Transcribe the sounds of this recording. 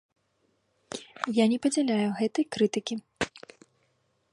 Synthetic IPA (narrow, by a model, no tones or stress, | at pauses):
janʲɛpɐd͡zʲɛlʲajuɣɛt̪ɐjkɾɨt̪ɨkʲi